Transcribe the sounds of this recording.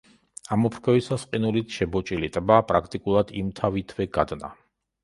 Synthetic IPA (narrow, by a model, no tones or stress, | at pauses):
amɔpʰɾkʰɛvisasqʼinulit̪ʰʃɛbɔt͡ʃʼilit̪ʼbaːpʼɾakʰt̪ʼikʼulˠad̪imt̪ʰavit̪ʰvɛɡad̪na̰